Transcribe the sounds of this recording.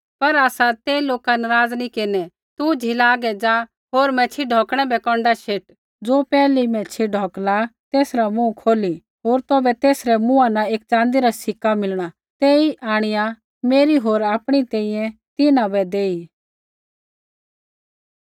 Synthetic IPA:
pɐɾaːsat̪eːiloːkanɐɾaːd͡znikɪnɛ | t̪ud͡ʒʱilaːɡɛd͡ʒaː | ɦoːɾmɛ̃t͡ʃʰiɖʱɔːkɽ̃ɛbɛkɔ̃ːɳɖaʃeːʈ | d͡zoːpɛːlimɛ̃t͡ʃʰiɖʱɔːklat̪eːsɾamũkʰoːli | ɦoːɾt̪ɔːbɛt̪eːsɾɛmʊ̃anaeːkt͡ʃãːnd̪iɾasɪkːamɪlɽ̃a | t̪eːiʔaːɽ̃ɪja | meːɾiɦoːɾaːpɽ̃it̪ɛːĩjɛ̃ | t̪ɪnãbɛd̪eːi

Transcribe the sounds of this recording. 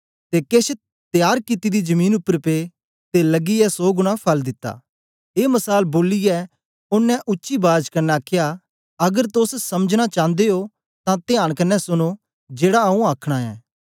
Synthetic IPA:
t̪ekeːs | t̪ɪjaːɾkɪt̪id̪id͡ʒɐmĩːnʊpːəɾpe | t̪elɐɡiɛsoːɡʊɽ̃apʰɐld̪ɪt̪ːa̰ː | eːmɐsaːlboːlɪjɛ | ʊnːɛ̃ʔʊtːʃibaːd͡ʒkɐnːɛaːkʰja | ɐɡəɾt̪ossɐməd͡ʒñat͡ʃãːnd̪eo | t̪ãt̪ɪjaːɽ̃kɐnːɛsʊño | d͡ʒeːɽaɐũaːkʰɽ̃aɛ̰ː

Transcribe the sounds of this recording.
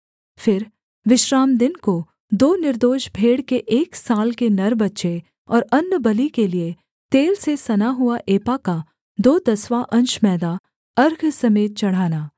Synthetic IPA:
fɪɾ | ʋɪʃɾaːmd̪ɪnko | d̪oːnɪɾd̪oːʃbʱeːɽkeʔeːksaːlkenɐɾbɐtːʃe | ɔːɾɐnːəbɐlikelie | t̪eːlsesɐnaɦʊaʔeːpaka | d̪oːd̪ɐsʋaʔɐ̃nt͡ʃmɛːd̪a | ɐɾɡʱsɐmeːt̪̚t͡ʃɐɽ̤aːnaː

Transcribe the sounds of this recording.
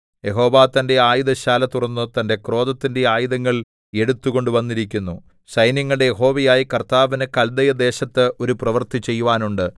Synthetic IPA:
je̞ɦo̞ːʋaːt̪ɐnde̞aːjuðɐɕaːlɐt̪urɐnːɨt̪ɐnde̞kro̞ːd̪ɐt̪ːinde̞aːjiðɐŋːɐɭ | e̞ɽut̪ːuɣo̞ɳɖuʋɐnːiɾikʲːunːu | ɕɐjnjɐŋːɐɭɽejeɦo̞ːʋɐjaːjikɐrt̪aːʋinɨkɐld̪ɐjɐd̪e̞ːɕɐt̪ːɨʔo̞ɾuprɐʋɐrt̪it͡ɕe̞jːuʋaːnuɳɖɨ

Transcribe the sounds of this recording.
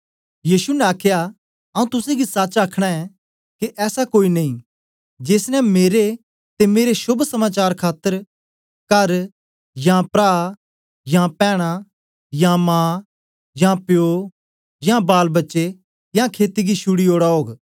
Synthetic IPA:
jiːsunɛ̃aːkʰja | ɐũt̪ʊsẽɡisaːt͡ʃaːkʰɽ̃aɛ | kiʔɛːsakoːinɐĩ | d͡ʒeːsnɛmeːɾe | t̪emeːɾesʊbsɐmaːt͡ʃaːɾkʰaːt̪ːəɾ | kɐɾ | jãpɾaː | jãpɛːɽ̃a | jãmãː | jãpjo | jãbaːlbɐtːʃe | jãkʰeːt̪iɡiʃʰʊɽioːɽaɦoːɡ

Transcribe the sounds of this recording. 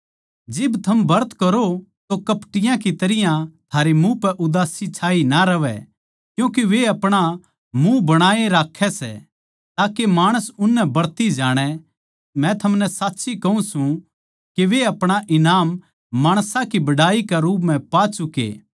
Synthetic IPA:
d͡ʒɪbt̪ʰɐmbɐɾt̪kɐɾot̪okɐpʈɪjãk̬it̪ɐɾɪjãt̪ʰaːɾemũpɛʔʊd̪aːsit͡ʃʰaːinaɾɐʋɛ̰ | kjũːk̬iʋeɐpɽ̃a | mũbɐɽ̃aːeɾaːkʰːɛsɛ̰ | t̪aːkemaːɽ̃əsʊnːɛbɐɽt̪id͡ʒaːɽ̃ɛ | mɛ̃t̪ʰɐmnɛsaːtːʃikɐũsũ | keʋeɐpɽ̃aʔɪnaːmː | aːɽ̃sãkibɐɽaːikaɾuːp̬mɛ̃paːt͡ʃʊkḛː

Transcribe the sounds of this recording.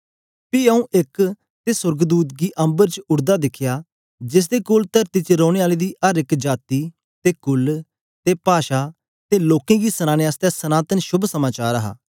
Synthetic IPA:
piəũʔɪk | t̪eːsʊɾɡd̪uːt̪̚ɡiːʔə̃mbəɾt͡ʃʊɽd̪aːd̪ɪkʰːɪjaː | d͡ʒɪs̬d̪eːkoːlt̪əɾt̪iːt͡ʃəɾɔːɽ̃eːaːleːd̪iːəɾɪkd͡ʒaːt̪iː | t̪eːkʊl | t̪eːpaːʃaː | t̪eːloːkẽːɡiːsənaːñeːast̪ɛːsənaːt̪ənʃʊbʱsəmaːt͡ʃaːɾəɦa̰ː

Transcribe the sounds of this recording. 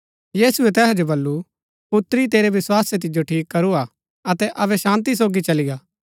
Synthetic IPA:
jiːsuɛt̪ɛːɦɛd͡ʒobɐlːu | pʊt̪ɾit̪eːɾeʋɪswaːset̪̬ɪd͡ʒoʈʰiːkːɐɾua | ɐt̪ɛʔɐʋɛʃãːnt̪̬is̬oːɡit͡ʃɐlɪɡaː

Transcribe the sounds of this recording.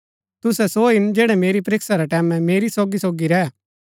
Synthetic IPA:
t̪ʊsɛsoɪnd͡ʒɛːɽɛmeːɾip̬ɐɾɪksaɾɛʈɛːmɛ̃meːɾisoːɡisoːɡiɾɛ

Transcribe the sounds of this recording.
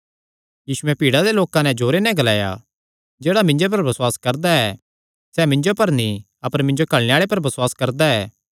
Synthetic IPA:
jiːsʊɛpiːɽad̪eloːkãnɛ̃d͡ʒoːɾenɛ̃ɡɐlaːja̰ | d͡ʒeːɽamɪ̃ɲd͡ʒop̬ɐɾbɐswaːskɐɾd̪aɛ | sɛmɪ̃ɲd͡ʒopɐɾnĩ | ɐpəɾmɪ̃ɲd͡ʒokɐɭneaːɭep̬ɐɾbɐswaːskɐɾd̪aɛː

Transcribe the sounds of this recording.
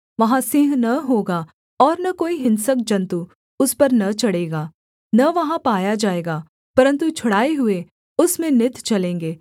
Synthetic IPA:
ʋɐɦãsɪ̃ɦnɐɦoːɡa | ɔːɾnɐkoːiɦɪ̃nsək̚d͡ʒɐ̃nt̪u | ʊspɐɾnɐt͡ʃɐɽeːɡaː | nɐʋɐɦãpaːjad͡ʒaːeːɡaː | pɐɾə̃nt̪ut͡ʃʰʊɽaːeɦʊe | ʊsmẽnɪt̪t͡ʃɐlẽːŋɡeː

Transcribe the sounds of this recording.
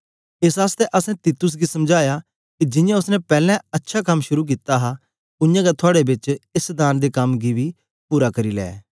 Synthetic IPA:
ɪsaːst̪ɛʔɐsɛ̃t̪iːt̪ʊs̬ɡisɐmd͡ʒaːja | kid͡ʒɪ̃jãʊsnɛpɛːlɛ̃ɐtːʃʰakɐmʃʊɾuk̬it̪aɦa | ʊ̃jãːɡat̪ʰʊaːɽebɪt͡ʃɪsd̪aːnd̪ekɐmɡibiː | puːɾakɐɾiːlɛ̰ː

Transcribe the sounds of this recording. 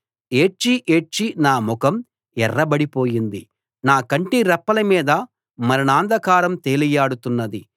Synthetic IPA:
eːt͡ʃiʔeːʈt͡ʃːinaːmukɐm | ɛrːɐbɐɽipoːjind̪i | naːkɐɳʈiɾɛpːɐlɐmiːd̪ɐ | mɐɾɐnaːnd̪ɐkaːɾɐmt̪eːlijaːɽut̪unːɐd̪i

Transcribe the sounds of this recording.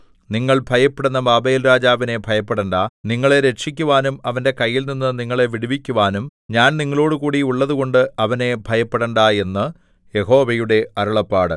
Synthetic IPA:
niŋːɐɭbʱɐjɐpːeɽunːɐbaːbeːlɾaːd͡ʑaːʋine̞bʱɐjɐpːeɽɐɳɖaːniŋːɐɭe̞ɾe̞t͡ɕikʲːuʋaːnumɐʋɐnde̞kɐjːilninːɨniŋːɐɭe̞ʋiɽiʋikʲːuʋaːnumɲaːnniŋːɐɭo̞ːɽɨkuːɽiuɭːɐðuɣo̞ɳɖɨɐʋɐne̞bʱɐjɐpːeɽɐɳɖaːje̞nːɨ | je̞ho̞ːʋɐjuɽe̞ɐɾɐɭɐpːaːɽɨ̰

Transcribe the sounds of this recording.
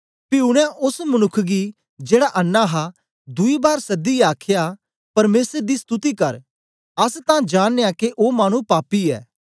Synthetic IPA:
pɪʊɽ̃ãʔʊsmɐnʊkʰːɡi | d͡ʒeːɽaʔɐnːaɦa | d̪ʊibaːɾsɐd̪iaːkʰja | pɐɾmeːsəɾd̪ist̪ʊt̪ikɐɾ | ɐst̪ãd͡ʒaːnːejakeʔoːmaːɽ̃ũpaːpiɛ̰ː

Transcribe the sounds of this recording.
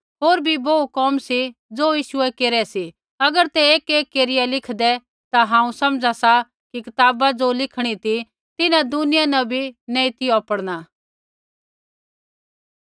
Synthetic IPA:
ɦoːɾbʱiboːukɔːmsid͡zoːjiːʃʊɛkeːɾɛsi | ɐɡəɾt̪ɛeːkeːkːeːɾɪjɛlɪkʰd̪ɛ | t̪aɦãːũsɐmd͡zasa | kikɪt̪aːbad͡zoːlɪkʰɽ̃it̪ʰi | t̪ɪnãd̪ʊnɪjanɐbʱinɛ̃ĩt̪ɪoɐpəɽɽ̃a

